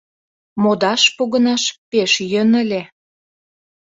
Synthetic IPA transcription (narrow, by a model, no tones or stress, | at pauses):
mod̪ɑʃpoɣə̆nɑʃpeʃjønə̆lʲe